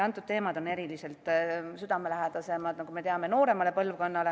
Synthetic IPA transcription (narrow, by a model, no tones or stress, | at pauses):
ɑnt̪ːˑud̪̚t̪e̞ːmɑd̪o̞ne̞ɾilise̞ltt̪ˑsyd̪ɑme̞læɦed̪̥ɑse̞mɑd̪nɑkume̞t̪e̞ɑme̞no̞ːɾe̞mɑle̞pɤlvko̞nːɑle